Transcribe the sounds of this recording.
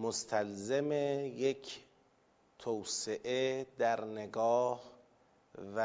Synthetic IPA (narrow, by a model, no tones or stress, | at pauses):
most̪ʰælzemejekʰ | t̪ʰowseʔed̪æɾneɡɒːh | væ